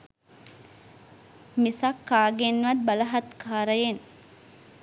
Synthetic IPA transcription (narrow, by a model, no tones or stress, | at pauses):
misɐkːaːɡenːʋɐd̪̚bɐlɐɦɐt̪kʰaːɾəjen